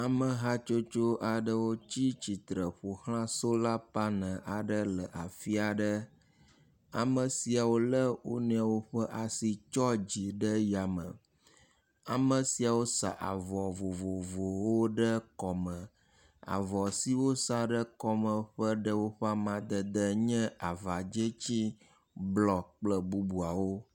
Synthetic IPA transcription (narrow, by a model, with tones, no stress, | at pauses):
a˨mə˨ɦa˦t͡ʃo˦t͡ʃo˦ʔa˨ɖə˦wo˦t͡ɕi˦t͡ɕi˨t̪ɾə˨ɸo˨hl̃ã˦so˦la˦pa˦nə̃˨ʔa˨ɖə˦lə˨ʔa˨fi˦a˨ɖə˦ | a̰˨mə˨si˨a˨wo˦lə˦wo̰˦nẽ˨a˨wo˦ɸə˦ʔa˨si˨t͡ʃɔ˦d͡ʑi˨ɖə˦ja˨mə̰̃˨ | a˨mə̃˨si˨a˨wo˦sa̰˨ʔa˨vɔ˨vo˨vo˨vo˨wo˦ɖə˦kɔ˨mə̃˨ | a̰˨vɔ˨si˦wo˦sa˦ɖə˦kɔ˦mə̃˨ɸə˦ɖə˦wo˦ɸa˦mã˨d̪ə˨d̪ə˦ɲɛ̃˦a˨va˨d͡ʒə˦t͡ɕi˦ | blɔ˨k͡plə˦bu˦bu˨a˨wo˦